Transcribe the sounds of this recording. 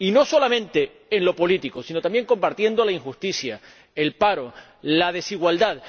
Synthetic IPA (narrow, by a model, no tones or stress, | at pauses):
ino̞so̞lamẽ̞nt̪e̞ː | nlo̞po̞lit̪iko̞sino̞t̪ambje̞ŋko̞mpaɾt̪jẽ̞nd̪o̞laiŋxust̪isja | e̞lpaɾo̞ | lað̞e̞siɣwald̪að